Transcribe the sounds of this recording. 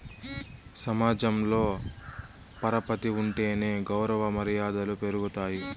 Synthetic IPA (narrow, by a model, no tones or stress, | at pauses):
sɐmaːd͡ʒɐmlo̞ː | pɐɾɐpɐt̪iuɳʈe̞ːne̞ːɡɐwɾɐʋɐmɐɾijaːd̪ɐlupe̞ɾuɡut̪aːji